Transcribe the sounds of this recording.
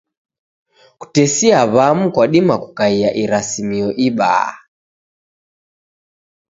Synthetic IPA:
ku̥tɛsiaβamukwaɗimakukaiaʔiɾasimiɔʔiɓa̰ː

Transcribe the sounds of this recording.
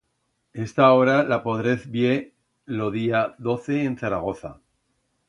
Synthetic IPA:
e̞st̪ao̞ɾalapo̞ðɾeθbje | lo̞ðiaðo̞θeːnθaɾaɣ̞o̞θa̰

